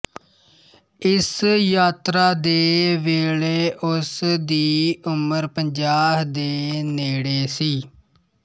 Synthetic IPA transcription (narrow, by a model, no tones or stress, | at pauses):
ɪsjaːt̪ɾaːd̪eːʋeːleːʔʊsd̪iːʊməɾpəɲd͡ʒaːɦd̪eːneːɽeːsiː